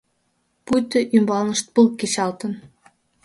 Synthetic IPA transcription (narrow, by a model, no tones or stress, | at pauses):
pujt̪ɘ̆ʔymbɑlnə̆ʃt̪̚pɤlket͡ɕɑlt̪ɤ̆n